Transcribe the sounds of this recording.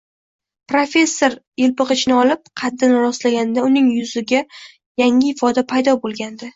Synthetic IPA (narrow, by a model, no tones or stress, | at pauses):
pɾofʲe̞sːoɾjɪlpɨqɨt͡ʃnɪɒlˠɪp̚qʰɑd̪ːɪnɾɒslaɡʲand̪aʊnɪŋjʊzɪɡʲa | jaŋɪɪfɒd̪apʰajd̪ɒbolˠɡʲand̪ɪ